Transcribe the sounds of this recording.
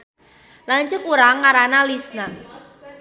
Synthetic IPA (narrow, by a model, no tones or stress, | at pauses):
laɲt͡ʃʊkuɾaŋːaɾanalisna